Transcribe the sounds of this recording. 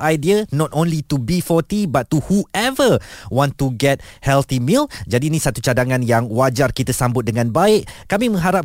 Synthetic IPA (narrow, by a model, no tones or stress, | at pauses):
ʔajdiənɔt̪õnlit̪ubifɔt̪ibat̪ːuhuɛvəwɔ̃nt̪uɡɛt̚hɛlt̪imild͡ʒadiːnĩsat̪ut͡ʃadaŋãnjaŋwad͡ʒarkit̪asambʊt̪̚dəŋãnbaɪʔkamĩmə̃ŋɦaɾap̚